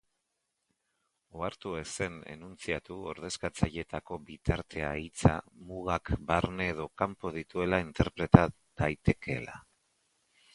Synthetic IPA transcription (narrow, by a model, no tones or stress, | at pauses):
oaɾt̪ue̞se̞nḛnunt͡siat̪uo̞̰ɾð̞e̞skat͡saʎe̞t̪ako̞bit̪aɾt̪e̞a̰it͡sa̰muɣakbaɾne̞ːð̞o̞kampo̞ð̞it̪ue̞laint̪e̞ɾpɾe̞t̪a | ð̥ajt̪e̞kʰe̞la̰